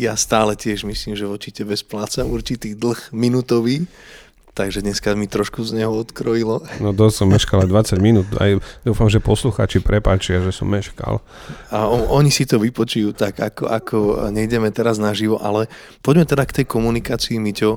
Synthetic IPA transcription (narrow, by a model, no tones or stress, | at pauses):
jast̪aːlɛcɪɛʒmisliːmʒɛʋɔt͡ʃicɛbɛsplaːt͡samuɾt͡ʃit̪iːd̪l̩xminut̪ɔʋiː | t̪aɡʒɛd̪ɲɛskamit̪ɾɔʃkuzɲɛɦɔɔt̪kɾɔjilɔnɔd̪ɔssɔmːɛʃkalajd̪ʋat͡saɟminuːd̪a̰jd̪uːfamʒɛpɔsluxaːt͡ʃipɾɛpaːt͡ʃɪaʒɛsɔ̰mːɛʃka̰l | aɔɔɲisit̪ɔʋipɔt͡ʃujuːt̪aɡakɔ̰akʰɔɲɛɟɛmɛt̪ɛɾaznaʒiʋɔʔalɛ | pɔɟmɛt̪ɛd̪akt̪ɛjkɔmunikaːt͡siːmicɔ